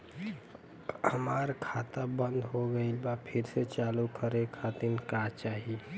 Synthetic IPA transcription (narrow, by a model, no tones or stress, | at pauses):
həmaːɾkʰaːt̪abə̃nd̪ɦoɡəilbapʰɪɾset͡ʃaːlukəɾekʰat̪inkaːt͡ʃaːɦi